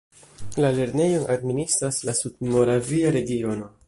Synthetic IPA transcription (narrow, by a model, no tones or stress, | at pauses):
lale̞ɾne̞jo̞nʔadministɾaslasud̚mo̞ɾaviaɾe̞ɡio̞no̞